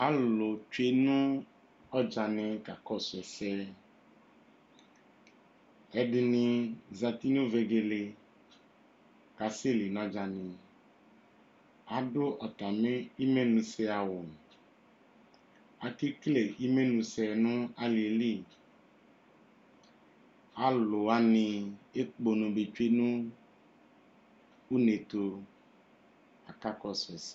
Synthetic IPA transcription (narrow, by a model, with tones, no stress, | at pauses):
a˨˦lo˨t͡ʃe˦nũ˦ | ɔ˦d͡ʒa˨nɪ̃˨ka˨kɔ˦˨sɛ˨sɛ˦ | ɛ˨ɖɪ˧nĩ˧za˧t̪i˦nũ˦ve˨˧ɡe˧le˧ | ka˨se˦˨li˨nã˦d͡ʒa˨nĩ˨ | a˨˦ɖo˦ʔɔ˨t̪a˨mẽ˦i˦me˦nũ˧sɛ˧a˨wo˨ | a˨ki˦kle˨i˦me˦nũ˧sɛ˨nũ˦a˦li˨li˦˨ | a˨˦lo˨a˦nĩ˧e˦k͡po˨nũ˨be˨t͡ʃe˦nũ˦ | u˦ne˨t̪o˧ | a˨ka˦kɔ˦sɛ˨s